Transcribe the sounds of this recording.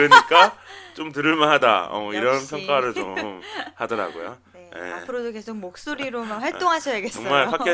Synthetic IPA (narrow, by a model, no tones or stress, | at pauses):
ɯɲik͈at͡ɕ͈omtɯɾɯɭmaɦada̰ʌ̰iɾʌnpʰjʌŋk͈aɾɯɭt͡ɕʌɯmhadʌɾa̰ɡo̰jo̰ | jḛapʰɯɾodoke̞sʰoɡ̚mok̚s͈oɾiɾomakwaɭ͈oŋɦaɕʰʌjaɡesʌŋ͈maɭɸak͈i